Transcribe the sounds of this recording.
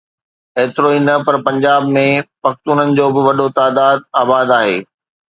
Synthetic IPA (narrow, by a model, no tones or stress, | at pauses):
eːt̪ɪɾoinɐpɐɾpɐ̃ɲd͡ʑaːbmẽpɐxt̪uːnənɪ̆d͡ʑoːbɪʋɐɗot̪aːd̪aːd̪̚aːbaːd̪aːɦḛː